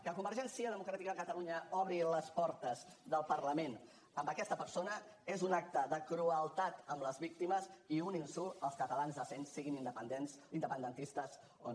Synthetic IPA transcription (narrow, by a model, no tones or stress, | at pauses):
kəkumbəɾʒɛnsiəðəmukɾat̪ikəðəkət̪əluɲəɔβɾiləspɔɾt̪əzðəlˠpəɾləmen | əmbəkɛst̪əpəɾsonə | ezunak̚t̪əðəkɾuəlˠt̪at̪əmləzβik̚t̪iməziuninsuəlˠskət̪əlanzðəsensːiɣinind̪əpənd̪ens | ind̪əpənd̪ənt̪ist̪əz | o